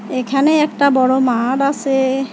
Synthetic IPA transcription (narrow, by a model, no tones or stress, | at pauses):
ekʰanɛɛkʈabɔɹɔmaɽasɛ